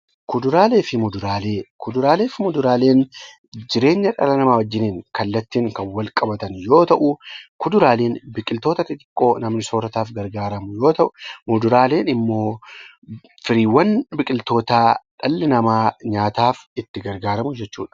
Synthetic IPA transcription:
kʊd̪ʊɾaːle̞ːfɪmʊd̪ʊɾaːle̞ːkʊd̪ʊɾaːle̞ːfɪmʊd̪ʊɾaːle̞ːn | d͡ʒɪɾe̞ːɲːɐᶑɐ̰lɐnɐmaːwɐd͡ʒːɪniːŋkɐlːɐt̪ːiːŋkɐnwɐlkʼɐbɐt̪ɐnjo̞ːt̪ɐʔʊkʊd̪ʊɾaːleːnbɪkʼɪlt̪oːt̪ɐt̪ɪt̪ʼɪ̥kʼːo̞ːnɐmnɪsoːɾɐt̪aːfɡɐɾɡaːɾɐmʊjo̞ːt̪ɐʔʊmʊd̪ʊɾaːle̞ːnɪmːo̞ː | fɪɾiːwːɐnbɪkʼɪlt̪o̞ːt̪aːᶑɐlːɪnɐmaːɲaːt̪aːfɪt̪ːɪɡɐɾɡaːɾɐmʊd͡ʒɛt͡ʃːṵːᶑɐ̥

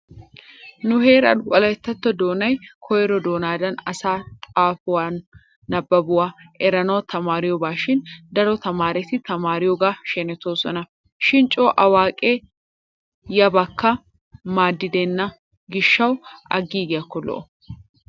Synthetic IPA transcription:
nʊheːɾɐ̰nkʼɔlɐjt̪ːɐt̪ːɔd̪o̞ːnɐjkʰɔjɛɾɔd̪o̞ːnaːd̪ɐnɐsaːt̪ʼaːfʊwaːnː | ɐbːɐbʊwaːʔɛɾɐnɐwt̪ɐmaːɾɪjɔbaːʃɪnd̪ɐɾɔt̪ɐmaːɾɛt̪ɪt̪ɐmaːɾɪjɔɡaːʃɛnɛt̪oːsɔnɐ | ʃɪnt͡ʃʼoːʔɐwaːkʼeː | jɐbɐkːɐ | maːd̪ːɪd̪eːnːɐ | ɡɪʃːɐwɐ̰ɡiːɡɪjɐkːɔlɔ̰ʔɔ

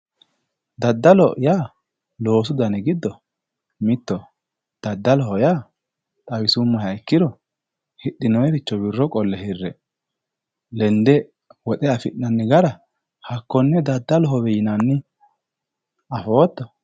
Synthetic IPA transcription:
d̪ɐd̪ːɐlɔʔjaː | lo̞ːs̬ʊd̪ɐnɛɡɪd̪ːɔ | mɪt̪ːɔ | d̪̥ɐd̪ːɐlɔɦɔjaː | t̪ʼɐwɪsʊmːɔhɐɪkːɪd̪ɔ | hɪɗːɪnɔjɛɾɪt͡ʃːɔbɪrːɔkʼɔlːɛhɪrːɛ | lɛnd̪ɛ | wɔt̪ʼɛɐfɪʔnɐnːɪɡɐɾɐ | hɐkːɔnːɛd̪ɐd̪ːɐlɔɦɔbɛjɪnɐnːɪ | ɐfoːt̪ːɔ

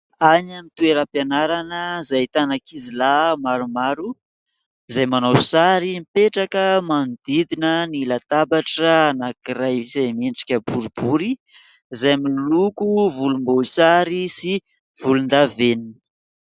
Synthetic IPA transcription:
aɲamit̪ueɾapjanaɾanəzajt̪anakizilamaɾumaɾu | zajmanowsaɾimipeʈ͡ʂakəmand̪id̪inənilat̪abaʈ͡ʂənakiɾajzajmeɳʈ͡ʂi̥kʲəbuɾibuɾi | zajmilukuvulumboisaɾisi | v̥ulund̪aveninə̥

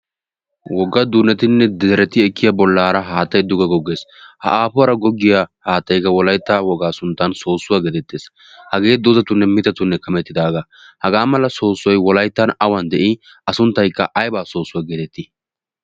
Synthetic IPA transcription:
wɔɡːɐd̪unɛt̪ɪnːɛd̪ɛɾɛt̪ɪɛkːɪjɐbɔlːaːɾɐɦaːt̪ːɐjd̪ʊɡɐɡɔɡːeːshɐ̰ʔaːpʊɐɾɐɡɔɡːɪjahaːt̪ːɐjkːɐwɔlɐjt̪ːaːwɔɡaːsʊnt̪ːɐnso̞ːsːʊwaɡɛːt̪ɛt̪ːeːs | hɐɡe̞ːd̪ʊzɐt̪ʊnːɛmɪt̪ɐt̪ʊnːɛkɐmɛt̪ːɪd̪aːɡa | hɐɡaːmɐlːɐso̞ːsːɔjwɔlɐjt̪ːɐnɐwɐnd̪ɛʔɪ | ɐsʊnt̪ːɐjkːɐ̰ʔɐjbaːso̞ːsːʊwaɡeːt̪ɛt̪ːɪ

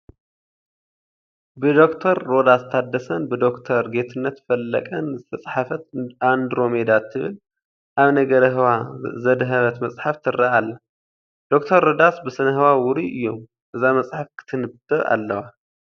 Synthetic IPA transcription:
bɨd̪o̞kt̪ʰɐɾːo̞d̪ast̪ʰad̪ːɐsɐnbɨd̪o̞kt̪ʰɐɾɡe̞t̪ʰɨnːɐt̪fɐlːɐ̰kʼɐnzɨt̪ʰɐt͡sʼħafɐt̪and̪ɾo̞med̪at̪ʰːɨβɨ̰l | ʔaβnɐɡɐɾɐɦɨwazɐd̪ɦɐβɐt̪mɐsʼħaft̪ʰɨrːaalːɐ | d̪̥o̞k̚t̪ʰɐɾːo̞d̪asbɨsɨnɐɦɨwawʊɾiʔɨ̰jːo̞m | ʔɨzamɐt͡sʼħafkʰɨ̥t̪ʰɨnɨbt̪ʼɨa̰lːɐwa

